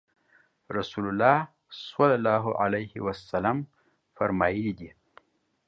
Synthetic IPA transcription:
ɾasulʊlːɑ | swalalɑɦoʔa̰lajhiwasalam | faɾmɑjəlid̪i

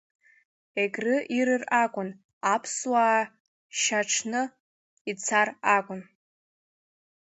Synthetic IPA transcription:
eɡʲʼrɨʔiɾɨrakʷʼʊn | apʰswaː | ʃaʈ͡ʂʰnɨ | it͡sʰarakʷʼʊn

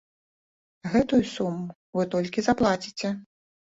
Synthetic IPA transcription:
ɣɛt̪ujusumːu | vɨt̪ɔlʲkʲizaplˠat͡sʲi̥t͡sʲɛ

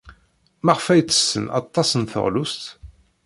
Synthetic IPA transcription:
mæʁfæjt͡sːə̥sːə̰nɑ̰t̪ˤːɑsənθə̰ʁlust̪

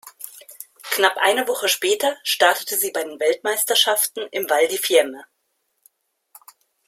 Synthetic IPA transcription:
knapʔa̰ɪnəvɔχəʃpɛːtɐʃtaɐtə̥təziːbaɪdeːnvɛltmaɪstɐʃaftn̩ɪmvaldiːfɪɐmə

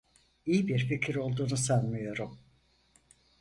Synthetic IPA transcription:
ijibiɾficʰiɾo̞lˠd̪uːnusanmɯjo̞ɾum

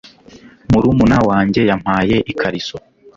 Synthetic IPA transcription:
muɾumunawaːɲɟe̞jam̥haːje̞ʔikʰaɾiso

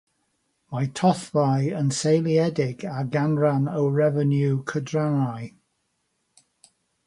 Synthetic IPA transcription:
majtʰɔθvajənsejlˠiɛdɪɡaɡanɹanəwɹɛvənjukʰədɹanaj

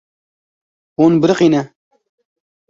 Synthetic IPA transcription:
oːnbəɾɨqiːnɛ

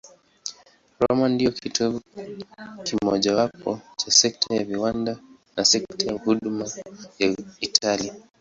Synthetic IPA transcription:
ɾɔmandijɔkʰitʰɔvu | kimɔʄawapɔt͡ʃasɛk̚tʰajaviwanda | nasɛktʰajahuɗumajaitʰali

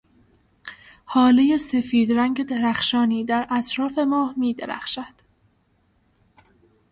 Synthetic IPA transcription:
hɒːlejese̞fiːd̪ɾæŋɡɟe̞d̪eɾæxʃɒːniːd̪æɾʔæt̪ʰɾɒːfe̞mɒːhmiːd̪eɾæ̰xʃæd̪̥

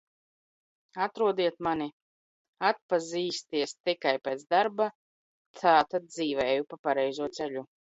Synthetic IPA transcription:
at̪ɾuɔd̪iɛt̪mani | at̪̚paziːst̪iɛst̪ikajpɛːt̪d̪aɾba | t̪ʰaːt̪ad̪̚d̪ziːvɛːjupapaɾɛjzuɔt̪sɛʎʲu

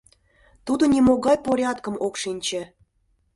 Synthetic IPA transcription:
t̪ud̪ŏnʲimoɣɑjpoɾʲɑt̪kə̆mokʃinʲt͡ɕĕ

